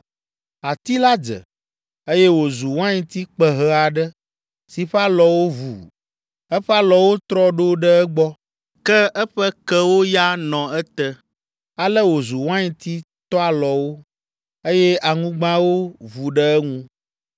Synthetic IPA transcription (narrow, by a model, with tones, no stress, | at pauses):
a˨t̪i˦la˦d͡zə̰˨ | e˦jɛ˦wo˨zu˨w̃ã˦ɲĩ˦t̪i˦k͡pə˨ɦə˦a˨ɖə˦ | si˨ɸa˦lɔ˨wo˦vṵ˨ | ɛ˦ɸa˦lɔ˨wo˦t̪ɾɔ˦ɖo˦ɖə˦ɛ˦ɡ͡bɔ˦ | kɛ˦ɛ˦ɸɛ˦kɛ˦wo˦ja˦nɔ̃˨ɛ˦t̪ɛ˦ | a˨lə˦wo˨zu˨wã˦ɲĩ˨t̪i˦ | t̪ɔ˦a˨lɔ˨wo˦ | e˦jɛ˦ʔa˨ŋũ˦ɡ͡bã˦wo˦vu˨ɖə˦ɛ˦ŋũ˦